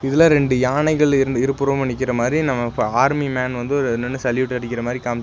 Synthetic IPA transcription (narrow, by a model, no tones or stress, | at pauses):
ɪðɐlaːɾɛɳɖɯjaːɳɐɪɣɐɭɾɪɾɯpːʊɾɐpɐɳːɪk̬ːɪɾɐmaːd̪ɾinɐmːɐaːɾmimaːnʋɐnd̪ɯɔɾɯnːɯnːɯsɐljuʈ̪ːɐɽɪkːɪɾɐmaːd̪ɾikaːm